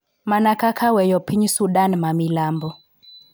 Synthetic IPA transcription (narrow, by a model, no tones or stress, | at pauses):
manakakʰawɛjɔpʰiɲsuɗanmamilambɔ